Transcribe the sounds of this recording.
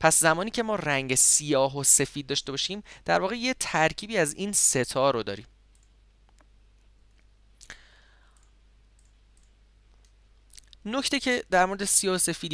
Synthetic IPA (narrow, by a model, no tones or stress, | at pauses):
pʰæszæmɒːniːcʰe̞mɒːræŋɟesijɒːɦose̞fiːd̪̚ːɒːʃt̪e̞bɒːʃiːmd̪̥æɾvɒːɣe̞jet̪ʰæɾcʰiːbiːæziːnse̞t̪ʰɒːɾod̪ɒ̰ːɾḭːm | nocʰt̪ecʰe̞d̪æɾmo̞ɾed̪esijɒːhose̞fid̪